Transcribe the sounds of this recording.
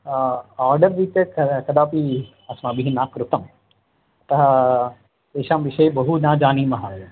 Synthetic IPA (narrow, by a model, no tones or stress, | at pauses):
aːɾɖəɾʋiːt̪ekɐkɐd̪aːpi | ɐsmabiɦinaːkɾʊt̪ɐm | t̪ɐɦ | eːʃaːmʋɪʃɐjbɐɦunãːd͡ʒaːniːmɐɦaj